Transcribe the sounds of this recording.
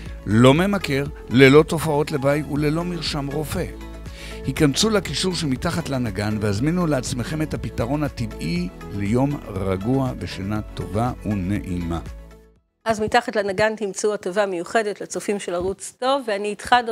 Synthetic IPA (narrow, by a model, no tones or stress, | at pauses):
lo̞me̞make̞ʁ | le̞lo̞to̞fao̞tlebajtule̞lo̞miʁʃamʁo̞fe̞ | hikamt͡sulakiʃuʁʃemitaχatlanaɡanvehazminuleat͡sme̞χe̞metapitaʁo̞nativilejo̞mʁaɡuaveʃanat̪o̞vaune̞̰ʔima | ʔazmitaχatlanaɡant̪imt͡seuatovamejuχedetlat͡sofimʃelaʁut͡sto̞vːeaniːtχad